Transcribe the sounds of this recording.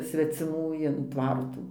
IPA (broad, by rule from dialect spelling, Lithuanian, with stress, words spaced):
sʲʋʲɛt͡sʲɪˈmuː ɪn ˈtʋɐrtuː